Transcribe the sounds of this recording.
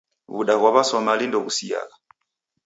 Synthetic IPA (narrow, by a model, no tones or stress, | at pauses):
βuɗaɣwaβasɔmalindɔɣusia̰ka